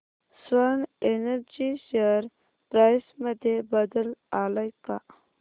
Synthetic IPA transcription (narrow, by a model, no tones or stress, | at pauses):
swanenəɾd͡ʒiʃeɾ | pɾasmad̪ebad̪əlalajka